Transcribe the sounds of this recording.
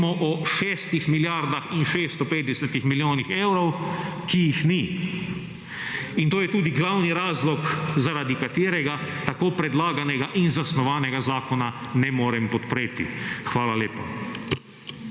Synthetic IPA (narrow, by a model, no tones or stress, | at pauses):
mɔʔɔʃeːst̪ixmiljaɾd̪axinʃeːst̪ɔpeːt̪̚d̪ɛsɛt̪ixmiljoːnixeːwɾɔwkijixni | int̪oːjɛt̪uːd̪iɡlawniɾaːzlɔkzaɾaːd̪ikat̪eːɾɛɡat̪akoːpɾɛd̪laːɡanɛɡaʔinzasnɔʋaːnɛɡazaːkɔna | nɛmoːɾɛmpɔt̪pɾeːt̪ḭxʋaːlaleːpa